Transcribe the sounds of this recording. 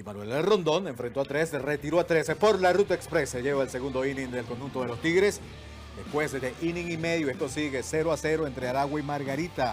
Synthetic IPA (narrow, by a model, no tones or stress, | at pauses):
imanwelelro̞nd̪o̞ne̞ɱfɾe̞nt̪oat̪ɾesere̞t̪iɾoat̪ɾe̞sepo̞ɾlarut̪aekspɾeseʝe̞βaelse̞ɣund̪o̞iniŋd̪elko̞nxunt̪o̞ðe̞lo̞st̪iɣɾe̞s | d̪e̞spwe̞szd̪ezðeʔinĩŋimeðjue̞st̪o̞siɣe̞se̞ɾoase̞ɾoe̞nt̪ɾe̞aɾaɣwaimaɾɣaɾit̪a